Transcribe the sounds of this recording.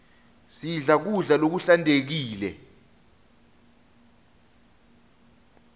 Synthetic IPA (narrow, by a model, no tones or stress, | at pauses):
siɮak̬uɮalok̬uɬantʼek̬iːlɛ